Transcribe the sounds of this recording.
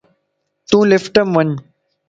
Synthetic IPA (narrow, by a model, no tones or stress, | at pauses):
t̪ũːlɪfʈəmʋəɲ